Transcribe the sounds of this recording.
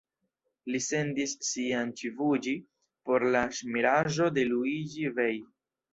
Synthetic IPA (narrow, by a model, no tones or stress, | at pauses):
lise̞ndisːiant͡ʃivud͡ʒi | po̞ɾlaʃmiɾaʒo̞de̞luid͡ʒivej